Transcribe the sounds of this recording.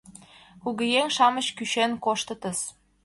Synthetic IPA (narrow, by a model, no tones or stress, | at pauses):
uɣə̆jeŋʃɑmə̆ɕkyɕenkoʃt̪ət̪ə̆s